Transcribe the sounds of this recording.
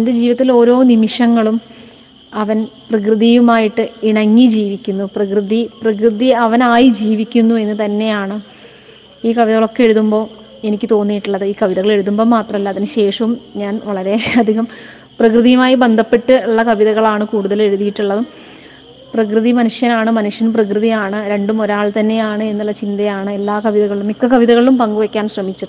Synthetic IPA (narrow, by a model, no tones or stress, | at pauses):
ende̞d͡ʑiːʋiɐt̪ːilo̞ːɾo̞ːnimiʂɐŋːɐɭum | ɐʋɐnprɐkrɨðijumaːjiʈːɨiɳɐŋːid͡ʑiːʋikʲːunːuprɐkrɨðiprɐkrɨðiɐʋɐnaːjid͡ʑiːʋikʲːunːue̞nːɨt̪ɐnːe̞jaːɳɨ | iːkɐʋiðɐɣɐɭo̞kːee̞ɻuðumbo̞ː | e̞nikʲːɨt̪o̞ːnːijiʈːuɭːɐðɨiːkɐʋiðɐɣɐɭe̞ɻuðumbo̞ːmaːt̪rɐmɐlːɐːðinɨɕe̞ːʂɐʋumɲaːnʋɐɭɐɾe̞ɐd̪ʱiɣɐm | prɐkrɨðijɐmaːjibe̞nd̪ʱɐpːe̞ʈːɨuɭːɐkɐʋiðɐɣɐɭaːɳɨkuːɽuðɐle̞ɻuðijiʈːuɭːɐðɨ | prɐkrɨðimɐnuʂjɐnaːɳɨmɐnuʂjɐnprɐkrɨðijaːɳɨɾe̞ɳɖumoɾaːɭt̪ɐnːe̞jaːɳɨe̞nːuɭːɐt͡ɕind̪ɐjaːɳɨe̞lːaːkɐʋiðɐɣɐɭilumikːɐkɐʋiðɐɣɐɭilumpɐŋɡuʋɐkʲːaːnɕrɐmit͡ɕːɐ